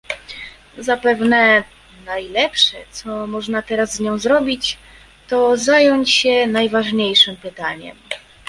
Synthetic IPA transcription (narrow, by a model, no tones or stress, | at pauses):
zapɛvnɛ | najlɛpʂɛt̪sɔmɔʐnat̪ɛɾazːɲɔ̃w̃zɾɔbʲit͡ɕ | t̪ɔzajɔɲt͡ɕɕɛnajvaʐɲejʂɘmpɘt̪aɲɛ̰m